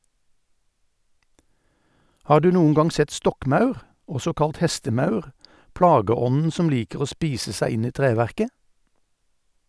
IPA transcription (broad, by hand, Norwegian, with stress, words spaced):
ˈhɑːʁ ˈdʉː ˈnuːən ˈɡɑŋ ˈsɛt ˈstɔkˌmɑʉʁ ˈɔsɔ ˈkɑlt ˈhɛstəˌmɑʉʁ ˈpɽɑːɡəˌɔnn̩ ˈsɔm ˈliːkəʁ ˈoː ˈspiːsə ˈsæɪ ˈɪn ˈiː ˈtʁeːʋæʁkə